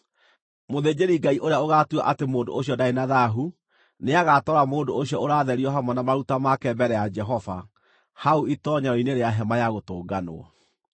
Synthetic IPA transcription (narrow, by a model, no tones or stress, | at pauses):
moðeːd͡ʑeɾiɡaiʔoɾejaoɣatua̰ʔatemoːndo̰oɕiɔdaenaðaɦu | neaɣaːtɔɾamoːndooɕiɔoɾaːðɛɾiɔɦamɔnamaɾutamakɛbɛɾɛjad͡ʒɛɦɔva | hauitɔɲaɾɔineɾeaɦɛmajaɣotoːɡano̰a̰